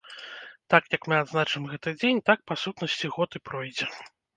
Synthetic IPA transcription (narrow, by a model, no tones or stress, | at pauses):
t̪akjɐkmɨad̪znat͡ʂɨmɣɛt̪ɨd͡zʲenʲt̪ak̚pasut̪nɐsʲt͡sʲiɣɔt̪ɨpɾɔjd͡zʲɛ